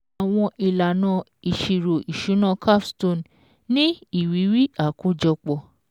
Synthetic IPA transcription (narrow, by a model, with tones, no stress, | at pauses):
a˨w̃ɔ̃˧ʔi˨la˨nã˧ | i˨ʃi˨ɾo˨ʔi˨ʃu˨˦nã˦˧˨kʰa˦fsto˦˨n | nĩ˦i˦˨wi˨˦wi˦a˦˨ko˨˦d͡ʒɔ˧k͡pɔ˨